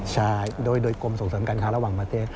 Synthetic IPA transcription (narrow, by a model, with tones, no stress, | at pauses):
saː˧jɗoː˧jɗoː˧jko˧mso˨˦nsəː˨˦mka˧nkʰaː˧˥la˧waː˨˩ŋmaː˧˩t̪ʰe˧